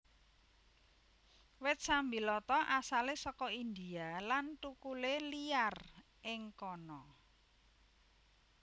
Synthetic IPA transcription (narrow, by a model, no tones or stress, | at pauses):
wɪt̪̚sambilɔt̪ɔʔasalesɔkɔind̪ialant̪ukuleliar | ʔɪŋkɔnɔ